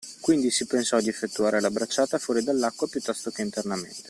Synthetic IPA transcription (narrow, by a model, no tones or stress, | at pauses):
kwind̪isipensɔd̪iefːet̪ːuaːɾelabɾat͡ʃːaːt̪afuɔːɾid̪alːakːwapjut̪ːɔst̪okeint̪ernamḛnt̪e